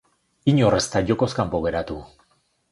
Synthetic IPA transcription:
iɲore̞st̪aʝoko̞skampoɣ̞e̞ɾat̪u

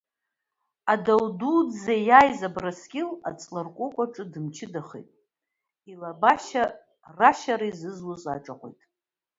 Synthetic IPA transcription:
adawdudzejajzabrasɡʲɪla̰t͡sʼlɨrkʷʼʊkʷʼaʈ͡ʂʼɨdɨmt͡ʃʰɪdaχejtʼ | ilabaʃa | raʃaɾaizɨzluzʷʼa̰ʈ͡ʂʼaqʷo̰jtʼ

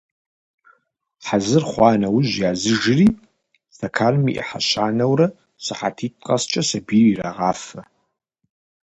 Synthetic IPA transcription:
ħazɨrχʷɑːnɐwʑjaːzɨʒɪriː | stʰɐkʰaːlmḭʔɛ̰ħa̰ɕaːnɐwrɐ | sɨħa̰tʰiːt̚ʼqʼɐst͡ʃʼɐsɐbiriːraʁɑːfɐ

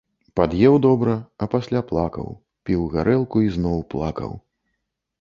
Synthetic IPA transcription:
pad̪jɛwd̪ɔbɾɐɐpasʲlʲaplˠakɐ̰w | pʲiwɣaɾʔɛlˠkuiznɔwplˠa̰kɐ̰w

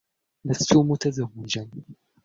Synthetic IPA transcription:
last̪umʊt̪azawːɪd͡ʒan

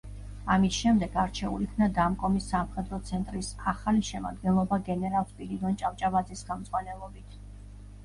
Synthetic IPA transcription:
amisʃɛmd̪ɛɡaɾt͡ʃʰɛṵlikʰmnad̪amkʼɔmisːamχɛd̪ɾɔt̪sʰɛnt̪ʼɾisaχaliʃɛma̰d̪ɡɛnlˠɔbaɡɛnɛɾalˠspʼilid̪ɔnt͡ʃʼamt͡ʃʼavad̪zisχɛmd̪zʼʁwanɛlˠɔbit̪ʰ

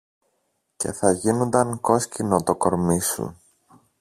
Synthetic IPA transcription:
ce̞̰θɐʝinond̪ɐŋko̞scino̞t̪o̞ko̞ɾmisṵ

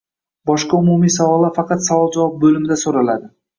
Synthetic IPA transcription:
bɒʃqɑʊmumijsɑwɒlˠːaɾfɑqɑt̪sɑvɒlˠd͡ʒavɑp̚bɵlɪmɪd̪asoɾalˠad̪ɪ

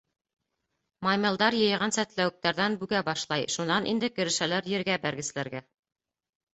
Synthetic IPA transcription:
mɑjmʲɤ̆lˠd̪ɑɾjɤ̆jʁɑnsæt̪læwɘ̆k̚t̪æɾðænbʉɡæbɑʃlˠɑjʃunɑnʔḭnd̪ɘkɘ̆ɾɘ̆ʃælæɾjɘ̆ɾɡæbæɾɡɘ̆slæɾɡæ

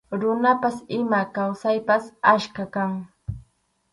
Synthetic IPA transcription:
ɾʊnapasɪmakawsajpasaʃkakaŋ

